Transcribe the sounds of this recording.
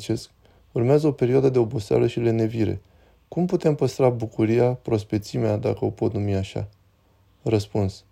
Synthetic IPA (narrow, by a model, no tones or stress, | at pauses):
t͡ʃe̞sk̚ | urmeazəo̞pe̞ɾioad̪əd̪e̞o̞bo̞sea̰ləʃile̞ne̞viɾe̞̰ | kumput̪e̞mpəst̪ɾabukuɾijapɾo̞spe̞t̪simead̪a̰kəo̞po̞t̪numiaʃa̰ | rəspuns